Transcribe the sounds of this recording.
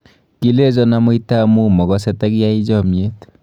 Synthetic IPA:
kilezɔnamɯjt̪amumɔɡɔset̪aɡiajzɔmiet̪

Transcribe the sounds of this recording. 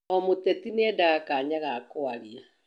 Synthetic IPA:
ɔmotɛtineɛdaakaːɲaɣakoaɾia

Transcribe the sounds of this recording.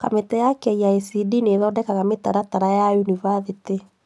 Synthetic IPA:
ka̰metɛjakɛiaesidineðɔdɛkaɣameta̰ɾataɾajajunivaðete

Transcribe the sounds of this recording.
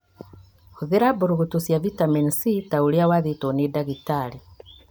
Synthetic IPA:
huðiɾabuɾuɣutusjavitamɛnsitauliawaðitɔnidaɣitali

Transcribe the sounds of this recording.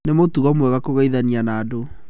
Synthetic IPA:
nemotuɣɔmwɛɣakoɣaiðanianaːdo

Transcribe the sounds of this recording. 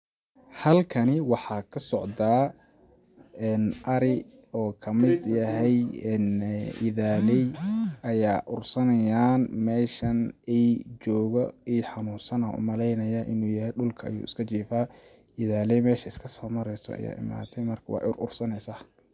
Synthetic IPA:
hɐlkʰɐnɪwɑħɑːkʰɐsɔʕd̪aː | ɛːnʔɐɾɪ | ɔːkʰɐmɪd̪jɐɦɛjɛːnʔɪ̰ðaːlɛjɐjaːʔʊrsɐnɐjaːnmɛːʃɐnɛjt͡ʃɔːɣɔiːħɑnuːsɐnɐʊ̰mɐlɛjnɐjaʔɪnuːjɐɦɛjɖʊlkʰɐɐ̰jṵːɪskʰɐt͡ʃiːfaː | ɪðaːlɛjmɛːʃɐɪskʰɐsɔːmɐɾɛjsɔ̰ɐ̰ja̰ːɪ̰ma̰ːt̪ʰɛjmɐrkʰɐwɑ̰ːʔʊɾʔʊrsɐnɛjsaː

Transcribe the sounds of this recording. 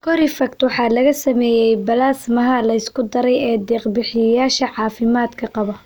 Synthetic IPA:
kʰɔɾɪfɐk̚t̪wɑħɑːlɐɣɐsɐmɛːjɛjbɐlaːsmɐɦɐlɐɪskʰʊd̪ɐɾɛjɛːd̪ɛːqbɪħɪjɐjaːʃɐʕɑːfɪmaːd̪kʰɐqɑβɔ

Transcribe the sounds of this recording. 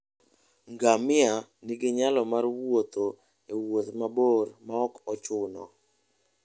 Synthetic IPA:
ŋɡamɪaniɡɪɲalɔmarwot̪o | ewot̪mabormaɔkɔt͡ʃʊnɔ̰

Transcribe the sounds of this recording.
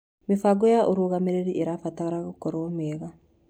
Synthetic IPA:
mefaːɡɔjaʔoɾoːɣameɾeɾiʔeɾafataɣaɾaɣokɔɾomɛɣa

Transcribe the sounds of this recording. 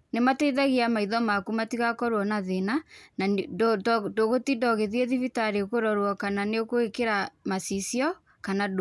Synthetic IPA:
nematɛiðɛɣiamaiðɔmakumatiɣakɔɾwɔnaðenana | doɣotindɔɣeðieðifitaɾekoɾɔɾwɔkananeokoekeɾamasisiɔ | kanad

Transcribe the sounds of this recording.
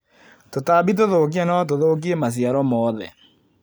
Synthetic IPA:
totaːbit̬oðoːkianaat̬oðoːkiemas̬iaɾɔmɔːðɛ

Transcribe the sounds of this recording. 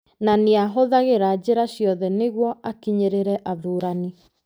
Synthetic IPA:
naneaɦoðaɣeɾad͡ʑeɾaɕjɔðɛneɣwɔʔakiɲeɾeɾɛʔaðuːɾani

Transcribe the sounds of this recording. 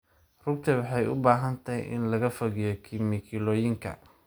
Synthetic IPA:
rʊɡ̚t̪ʰɐwɑħɑjʔʊ̰baːɦɐnt̪ʰɐjʔɪ̰nlɐɣɐfɔɣɪjɔkʰɪmɪkʰɪlɔːjɪŋkʰɐ̰

